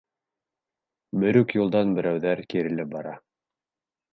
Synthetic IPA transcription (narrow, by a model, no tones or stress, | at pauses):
bɵ̆ɾɵkjulˠd̪ɑnbɘ̆ɾæwðæɾkiɾɘ̆lɘp̚bɑɾɑ